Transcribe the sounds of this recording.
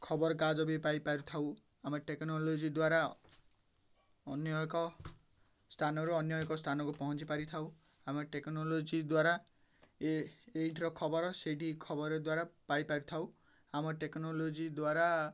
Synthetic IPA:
kʰɔbɔɾɔkad͡ʒɔbipajpaɾut̪ʰaw | amɔʈeknɔlod͡ʒid̪waɾa | ɔnjɔkɔ | st̪ʰanɔɾuɔnjɔjkɔst̪ʰanɔkupɔɦɔ̃t͡ʃipaɾit̪ʰaw | amɔʈeknolod͡ʒid̪waɾa | eeʈɾɔkʰɔbɔɾɔseʈikʰɔbɔɾɔd̪waɾapajpaɾut̪ʰaw | amɔʈeknɔlod͡ʒid̪waɾa

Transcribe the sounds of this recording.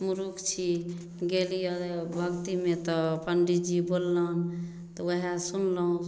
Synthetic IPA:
muɾukt͡ʃʰi | ɡelijəbʱəkt̪imet̪ɔpəɳɖid͡ʒibolːən | t̪ɔwəɦasunləɦũ

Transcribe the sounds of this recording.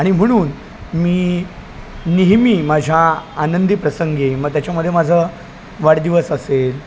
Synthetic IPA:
aɽ̃im̤əɽ̃uːn | miː | niɦmiːmad͡ʑʱjaːnənd̪ipɾəsəŋɡeiməɡ̚t̪jat͡ɕaməd̪ʱːjemad͡zʱə | ʋaɽd̪iʋəsəsel

